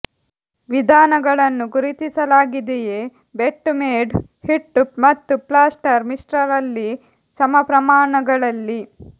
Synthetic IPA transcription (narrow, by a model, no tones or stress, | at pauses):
ʋid̪ʱaːnɐɡɐɭɐnːuɡuɾit̪isɐlaːɡid̪eje | beʈːumeːɖ | hiʈːupmɐt̪ːuplaːsʈɐɾmiʂʈɾɐɾɐlːi | sɐmɐpɾɐmaːɳɐɡɐɭɐlːi